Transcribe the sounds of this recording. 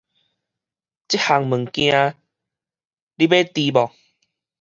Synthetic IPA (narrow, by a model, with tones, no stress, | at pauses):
t͡ɕi˦˥ha˨˩ŋmɨ˨˩ŋkj̃ã˧ | li˦be˦t̪i˧bɔ˨˩